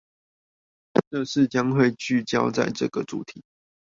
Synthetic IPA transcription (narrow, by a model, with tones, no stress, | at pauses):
ʈ͡ʂɤ˥˧ʂɻ̩˥˨t͡ɕjɑ˦ŋxwe˥˨ɪt͡ɕy˥˨t͡ɕjɑ˦˥ʊt͡sa̰˥˧ɪʈ͡ʂɤ̰˥˨˩ɡ̥ə˨ʈ͡ʂṵ˨˩˦t̪ʰi˨˩˦